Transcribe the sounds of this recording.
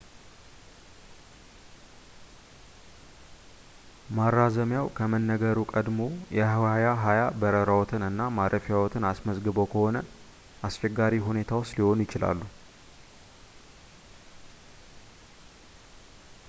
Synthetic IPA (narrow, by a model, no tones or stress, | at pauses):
maɾːazəmjawkʰəmənːəɡəɾukʼəd̪mo̞jɛhwajaɦajabəɾəɾawɔt̪ʰɨnɨnːamaɾʔəfjawɔt̪ʰɨnasməzɡɨbo̞kʰəho̞nə | ʔast͡ʃɛɡːaɾiɦune̞t̪ʰawot͡ʃːliho̞njɪt͡ʃɪla̰lːu